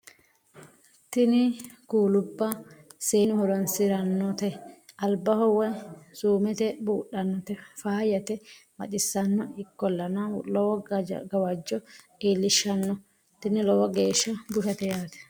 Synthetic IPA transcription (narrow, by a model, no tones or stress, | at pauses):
t̪ɪnɪkuːlʊbːɐseːnɪhʊɾɔnsɪɾɐnːɔt̪ɛɐlbːɐhɔwɐsuːmɛt̪ɛbuːɗɐnːɔt̪ɛfaːjɐt̪ɛmɐ̰t͡ʃɪsːɐnːɔɪkːɔlːɐnɐlɔwɔ̰ɡɐwɐd͡ʒːɔ | eːlːɪʃːɐnːɔ | t̪ɪnɪlɔwɐɡeːʃːɐbʊʃɐt̪ɛjaːt̪ɛ̥